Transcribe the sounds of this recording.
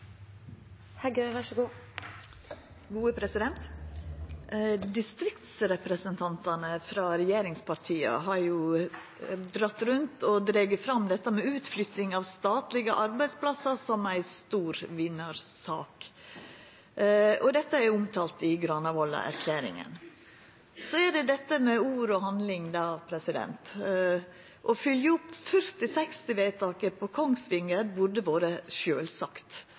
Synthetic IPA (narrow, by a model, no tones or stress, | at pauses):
hæɾɡøːʋɑʂəɡuː | ɡuːəpʰɾɛsɪd̪ɛnt̪ | d̪ɪst̪ɾɪkt̪sɾɛpɾɛsənt̪ʰɑnt̪ɑnəfɾɑːɾɛjeːɾɪŋspʰɑɾt̪ʰiːə̰ɦɑɾjʊ | d̪ɾɑt̪ːɾʉnt̪ɔd̪ɾeːɡəfɾɑmd̪ɛt̪ːəmɛʉːt̪flʏt̪ɪŋɑʋst̪ɑːt̪lɪɡəʔɑɾbæɪspʰlɑsɑɾsɔmæɪst̪uːɾʋɪnːɑɾsɑ̰ːk | ɔd̪ɛt̪ːəæʊmt̪ʰɑːlt̪ɪɡɾɑnɑʋɔlɑ̰ʔæ̰ɾkʰlæːɾɪ̰ŋə̰n | sɔæɖɛd̪ɛt̪ːəmɛuːɾɔhɑnd̪lɪŋd̪ɑːpʰɾɛsɪd̪ɛ̰nt̪ | ʔɔfʏljəʊpːfœɾt̪ɪsɛkst̪ɪʋeɪt̪ʰɑːkəpʰɔkʰɔŋsʋɪŋəɾbʊɖəʋoːɾəʃøːlsɑkt̪